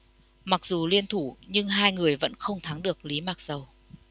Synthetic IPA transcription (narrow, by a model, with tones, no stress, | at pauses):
ma˨˩k̚zu˨˩li˧ənt̪ʰu˧˩ɲɨ˧ŋɦaː˧jŋɨ˨˩əjvə̰˧˥nxə˧wŋ͡mt̪ʰa˨˦ŋɗɨ˨˩ək̚li˨˦maː˨˩k̚z̥ə˨˩w